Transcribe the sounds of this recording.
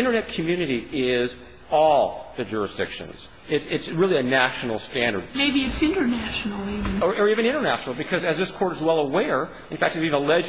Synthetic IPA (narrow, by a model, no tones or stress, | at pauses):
ɪ̃ɾ̃ə˞nɛt̚kʰɨmjʉnɨɾiʔɪz | ɔlˠðɨd͡ʒʊɹɨsd̥ɪ̰kʃɨ̰̃nz̥ | ɪtsɪtsɹɪlˠiɨnæʃn̩l̩ˠstæ̃ndə̰˞d̚meɪbiɨtsɪ̃ntə˞næʃn̩l̩ˠivɨ̃nə˞ʔə˞ivɨ̃ñɪ̃ɾ̃ə˞næʃn̩l̩ˠbɨkʰʌzɨzðɪskʰɔɹɾɨzwɛlˠəwɛɹ | ɨ̃n̩fæk̚tɨbivɨ̃əlɛd͡ʒ